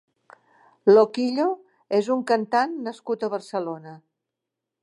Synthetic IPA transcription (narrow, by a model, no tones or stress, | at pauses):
lokiʎo | ezuŋkənt̪anːəskut̪əβərsəlonə